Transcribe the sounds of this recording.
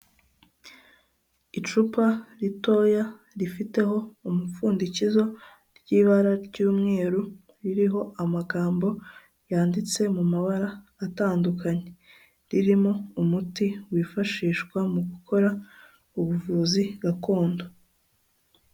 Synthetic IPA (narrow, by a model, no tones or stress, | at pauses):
it͡ʃupaɾito̞ːja | ɾifite̞ɦo̞umufuːndicizo̞ | ɾɟ̥iːβaɾaɾɟuːmŋe̞ːɾu | ɾiɾiɦo̞amaɡaːmbo̞ | jaːndit͡se̞mumaβaɾaː | taːndukaɲe | ɾiɾimoumutiwiːfaʃiːʃkwamuɡukʰo̞ɾa | uβuvuːziɡako̞ːndo